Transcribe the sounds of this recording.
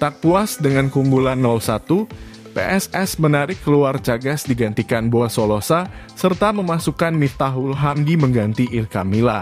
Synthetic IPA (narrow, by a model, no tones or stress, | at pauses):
t̪ak̚puasdəŋankumbulanːɔlsat̪u | pḛʔɛsɛsmənaɾɪkːəluart͡ʃaɡasdiɡant̪ikanbuasolosa | sərt̪aməmasukanmit̪aɦulɦamɡiməŋɡant̪iʔɪrkamila